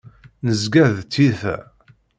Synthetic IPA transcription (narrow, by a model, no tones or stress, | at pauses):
nəzɡæðt̪ːiθæ̰